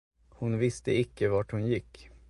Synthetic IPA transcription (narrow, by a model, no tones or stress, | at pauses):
hʊnvɪst̪əɪkːəvaʈhʊnjɪkː